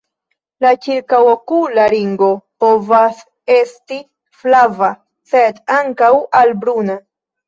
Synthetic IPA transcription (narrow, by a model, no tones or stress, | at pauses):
lat͡ʃiɾkawokulaɾiŋɡo̞po̞vas | e̞sti | flava | se̞daŋkawalbɾuna